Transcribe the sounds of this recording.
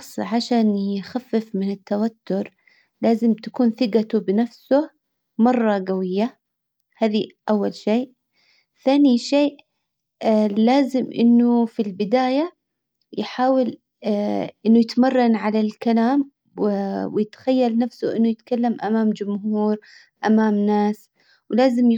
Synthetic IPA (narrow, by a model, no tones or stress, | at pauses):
sˤʕaʃaːnjɪxafːɪfmɪnɪt̪ːawat̪ːʊɾ | laːzɪmt̪ḁkuːnθɪɡat̪ʊbɪnafsʊ | mɑrˤːɑɡawɪjːa | haːðiʔawːalʃeːʔ | θaːniʃeːʔ | laːzɪmʔɪ̰nːʊfilbɪd̪aːja | jħaːwɪl | ʔɪnːʊjɪt̪mɑrˤːɑnʕalalkalaːm | wwɪjɪt̪xajːalnafsʊʔɪnːʊjɪt̪kalːamʔamaːmd͡ʒʊmhuːɾ | ʔamaːmnaːs | wlaːzɪm